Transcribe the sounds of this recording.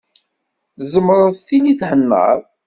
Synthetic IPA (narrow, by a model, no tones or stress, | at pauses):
zəmːɾˤəðˤθiniθhənːə̰ðˤ